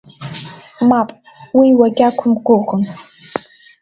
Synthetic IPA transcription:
mapʼ | wiwaɡʲʼakʷʰʊmɡʷʊʁən

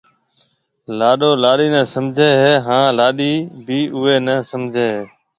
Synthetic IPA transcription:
laːɗoːlaːɗiːnɛ̃ːsəmd͡ʒʱeːɦeːɦãːlaːɗiːbiːʔʊeːnəsəmd͡ʒʱeːɦeː

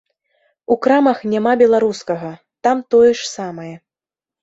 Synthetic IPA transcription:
ukɾamɐxnʲamabʲɛlˠaɾuskɐɣɐ | t̪amt̪ɔjɛʂsamɐjɛ

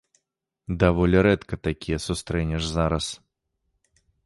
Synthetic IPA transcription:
d̪avɔlʲɛɾɛt̪kɐt̪akʲijɛsʊst̪ɾɛnʲɛʐzaɾɐs

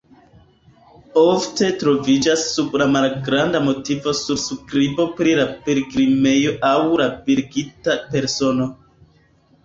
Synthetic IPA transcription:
ofte̞tɾo̞vid͡ʒasːublamalɡɾandamo̞tivo̞suɾskɾibo̞pɾilapeɾiɡɾime̞jo̞ʔawlabiɾɡitape̞ɾso̞no̞

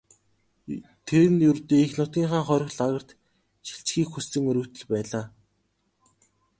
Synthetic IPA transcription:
t̪ʰeɾɘ̆njɵrt̪eːixnʊt̪̚ɡʲiːŋχaːŋχœɾʲɞ̆xɮaɣə̆r̥t̪ | ʃi̥ɬt͡ɕxiːkxust͡sɘ̆ŋɵɾɵ̆kt̪ɵ̆ɮpæːɮaː

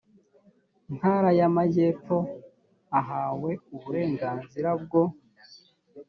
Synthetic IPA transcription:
n̥haɾajamaɟe̞ːp͡fo̞ | aɦaːwe̞uβuɾe̞ːŋɡaːnziɾab̚ɡo̞

